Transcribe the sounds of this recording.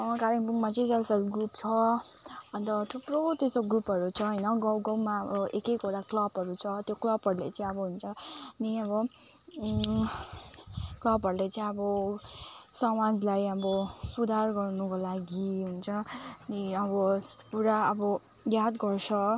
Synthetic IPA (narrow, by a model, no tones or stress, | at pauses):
ʌkaɾiŋbuŋmat͡sʌĩselpʰelɡrupt͡sʰʌ | ʌnt̪ʌʈʰuprot̪esoɡupɦʌɾut͡sʰʌɦʌjnʌɡʌwɡʌwmaʌbʌekejkoɾaklʌpɦʌɾut͡sʰʌt̪joklʌbɦʌɾulḛt͡sʌĩʌbʌɦunt͡sʰʌniʌβʌ | klʌpɦʌɾlet͡sĩʌbʌ | sʌmad͡zlajʌbʌsud̪ʱarɡʌrnukolaɡiɦunt͡sʰʌniʌbʌpuɾaʌbʌ | jad̪ɡʌrt͡sʰʌ